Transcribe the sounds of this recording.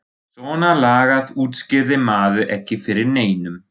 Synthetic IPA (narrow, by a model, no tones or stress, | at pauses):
sɔːnalaːɣaðuːt̪scɪɾðɪmaːðʏʔɛhcːɪfɪɾɪɾneːjnʏm